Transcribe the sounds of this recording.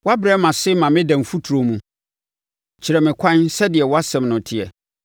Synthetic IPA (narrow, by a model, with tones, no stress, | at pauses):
wa˦bɾɛ˦mã˨sɪ˦mã˨mɪ̃˦dã˨m˨fu˦tʰu˨ɾo˨mũ˨ | t͡ɕʰɪ˨ɾɛ˨mɪ̃˨kʷʰã˦nsɛ˦dɪ˨ɛ˨wɔ˦a˦sɛ̃˨mnʊ̃˨tʰɪ˦˨ɛ˨